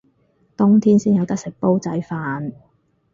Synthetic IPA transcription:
t̪ʊ˥ŋt̪ʰiː˥nsiː˥njɐ˨˧wt̪ɐ˥k̚sɪ˨˩k̚po˥wt͡sɐ˨˥jfaː˧n

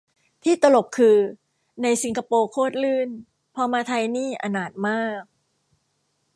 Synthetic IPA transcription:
t̪ʰiː˥˩t̪a˧lo˨˩kkʰːɯː˧ | na˧jsi˧ŋka˧poː˧kʰoː˥˩t̪̚lɯː˥˩n | pʰɔː˧maː˧t̪ʰa˧jniː˥˩ʔa˧naː˨˩t̪̚maː˥˩k̚

